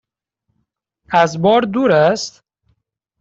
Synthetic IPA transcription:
æzbɔːɾd̪uːɾæst̪

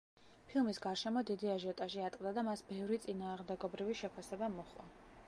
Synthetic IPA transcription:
pʰilˠmisɡaɾʃɛmɔd̪id̪iaʒɔt̪ʼaʒiat̪ʼqʼd̪ad̪amasbɛvɾit̪sʼinaːʁmd̪ɛɡɔbɾiviʃɛpʰasɛbamɔχʼwɔ̰

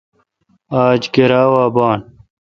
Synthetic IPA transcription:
aːd͡ʑɡeɾaːwaːbaːn

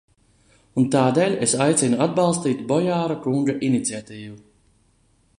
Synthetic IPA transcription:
unt̪aːd̪eːlʲesajt̪sinuad̪̚bɑlˠst̪iːt̪bɔjaːɾakuŋɡaʔinit̪siat̪iːvu

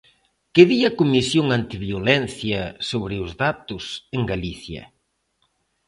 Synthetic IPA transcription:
keðiɐkumisjoŋant̪iβjolɛn̟θjɐsoβɾɪʊzðat̪ʊseŋɡaliθjɐ̰

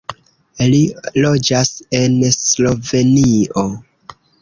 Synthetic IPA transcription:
lilo̞d͡ʒase̞nslo̞ve̞nio

